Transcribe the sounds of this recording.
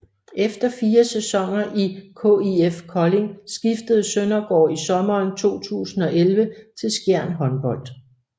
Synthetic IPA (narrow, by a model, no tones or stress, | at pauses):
efd̥ɐfiːɐsesɒ̽ŋ̰ɐʔikʰo̰iefkʰɒ̽le̝ŋsɡ̥ifd̥əð̞̩ˠsønɐɡ̥ɒ̰ːisɒ̽mɐːnt͡sʰo̝̰ːt͡sʰṵːsn̩ɒ̽ʔelʋət͡sʰe̝lsɡ̥jæɐ̰nɦɒ̽nb̥ɒ̽l̰d̥